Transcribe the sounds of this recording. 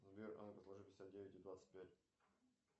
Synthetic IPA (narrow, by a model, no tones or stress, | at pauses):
zɐbʲeɾʔɐ̰npəslˠɐʐɨpʲɪsʲat̪̚dʲevʲɪtʲɪd̪vat̪sə̥t̚ʲpʲætʲ